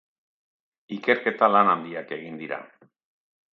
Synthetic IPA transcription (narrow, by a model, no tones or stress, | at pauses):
ike̞ɾke̞t̪alanand̪iake̞ɣ̞ind̪iɾa̰